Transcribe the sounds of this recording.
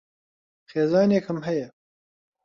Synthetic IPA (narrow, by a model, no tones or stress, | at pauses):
xeːzɑːnekʰhɨmɦɐjɛ